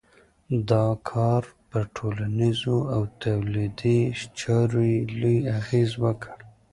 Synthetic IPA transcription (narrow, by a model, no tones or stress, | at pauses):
d̪ɑkʰɑɾpəʈʰolanizoawt̪awlid̪iʃt͡ʃɑɾojelujaɣezwəkʰəɽ